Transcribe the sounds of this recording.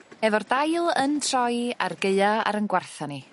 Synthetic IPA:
ɛvɔrdajlˠəntʰrɔjarɡeɨaa̰ɾənɡwarθani

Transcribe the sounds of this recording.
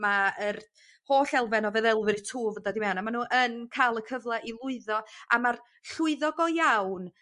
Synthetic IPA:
maər | hoːɬɛlˠvɛnɔveːðɛlˠvɪrtʰuːvədadɪmɛwnamanuːʔənkʰaːlˠəkʰəvlˠɛʔilˠʊɨðɔa̰mar | ɬʊɨðɔɡɔjawn

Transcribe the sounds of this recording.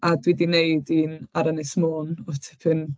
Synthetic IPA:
adwidineɨdinaɾənɨsmoːnɔtʰɪpʰɨn

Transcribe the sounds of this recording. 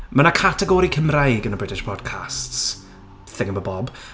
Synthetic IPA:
mənakʰatʰɛɡɔɾikʰəmrajɡənəbrɪtʰɪʃpʰɔdkʰa̰sts | θɪŋəbəbɔb

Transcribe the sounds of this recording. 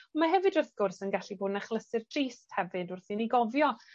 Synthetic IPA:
ɔmaɦɛvɨdʊθɡ̥ʊrθənɡaɬiboːdnaχlˠəsɪrtʰriːsthɛvɨdʊrθiniɡɔvjɔ

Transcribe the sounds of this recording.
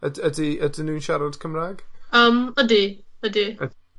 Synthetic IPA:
ədədiədinunʃaɾɔd̥kʰəmraɡ̥əmədiədiə

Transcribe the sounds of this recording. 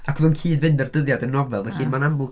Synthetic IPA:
akʰəðɔnkʰiːdvɨndərdəðjadənːɔvɛlˠvɛɬiːnmanamʊlˠ

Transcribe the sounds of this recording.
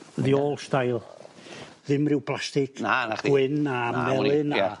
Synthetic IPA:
ðioːlˠstajlˠ | ðɪmrɪwplˠastɪkʰḁwɪnamɛlˠɪna

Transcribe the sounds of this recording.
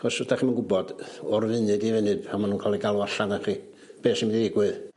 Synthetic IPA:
ɔsɔdaχiːmanɡʊbɔd̥ɔrvɨnɨdivɛnɨbamanuːnkʰalˠiɡalˠuaɬandaχiː | b̥eːsimdiɪɡwɨð

